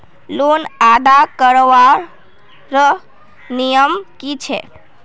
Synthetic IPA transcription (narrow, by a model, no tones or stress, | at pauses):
lunad̪akəɾʋaɾ | ɾə | nijəmkit͡ʃʰḛ